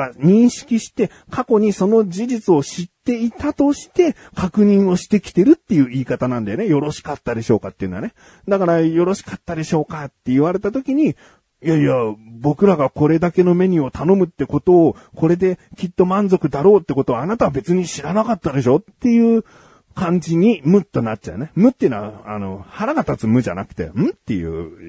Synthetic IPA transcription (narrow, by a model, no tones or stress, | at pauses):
aɲ̟ĩɰ̃ɕi̥kʲiɕi̥t̪e̞ | kʰako̞ɲ̟iso̞no̞d͡ʑiʑit͡sɨo̞ɕit̪ːe̞it̪at̪o̞ɕi̥t̪e̞ | kakɯ̟ɲ̟ĩɰ̃o̞ɕi̥t̪e̞kʲi̥t̪e̞ɾɯ̟t̪ːe̞jɯ̟ːiːkat̪anãnd̪ajonejo̞ɾo̞ɕi̥kat̪ːad̪e̞ɕo̞ːkat̪ːeiɯ̟nd̪a̰ne | d̪akaɾajo̞ɾo̞ɕi̥kat̪ːad̪e̞ɕo̞ːkat̪ːe̞iβaɾe̞t̪at̪o̞kʲiɲ̟i | jaiabo̞kɯ̟ɾaɡako̞ɾe̞d̪ake̞no̞me̞ɲ̟io̞t̪ano̞mɯ̟t̪ːe̞ko̞t̪o̞ːko̞ɾe̞d̪e̞kʲit̪ːo̞mãnzo̞kɯ̟d̪aɾo̞ːt̪ːe̞ko̞t̪o̞aːnat̪aβabe̞t͡sɨɲ̟iɕiɾanakat̪ːad̪e̞ɕo̞t̪ːe̞jɯ̟ː | kãɲ̟d͡ʑiɲ̟imɯ̟t̪ːo̞nat̚t͡ɕa̰ḛne̞mɯ̟t̪ːeːnoβaa̰no̞̰haɾaɡat̪at͡sɨmɯ̟ʑa̰nakɯ̟̥t̪e̞̰ɯ̟̃t̪ːe̞jɯ̟̰ː